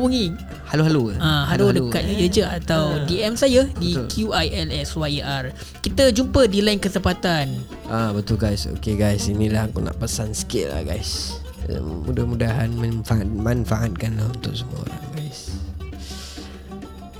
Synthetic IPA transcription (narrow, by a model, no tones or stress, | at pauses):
puŋĩ | haluɦaluaãɦaludəkat̪̚əd͡ʒəat̪awdiɛmsajədikʰjuʔajɛlɛswaiʔar | kit̪əd͡ʒumpədilaɪnkəsəmpat̪an | ʔabət̪ʊlɡajso̰keɡajsinilahkṵna̰ʔpəsansə̥kela̰hɡa̰js | mudahmudaɦanmənfaʔat̪̚manfaʔat̪̚kanlahunt̪ʊk̚səmuaɡajs